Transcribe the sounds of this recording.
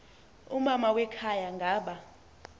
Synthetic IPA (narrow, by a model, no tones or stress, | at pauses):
umamawɛkʰajaŋɡʱaːɓa